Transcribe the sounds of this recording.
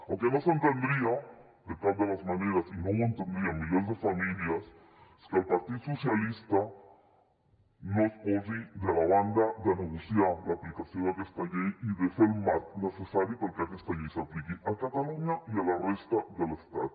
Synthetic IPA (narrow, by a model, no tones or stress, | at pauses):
awkenosent̪end̪ɾia | d̪et̪ald̪elazmaneɾasinoment̪end̪ɾiamiʎezðefamiljas | eskeelpaɾt̪iðososjalist̪a | nosposiðelaβand̪aðanuɣosjalaːplikasjonakest̪aʝejiðesoeelmat̪nesesaɾjopaɾkeakest̪aʝejseaplikiakat̪aluɲaialarest̪aðelest̪a̰ð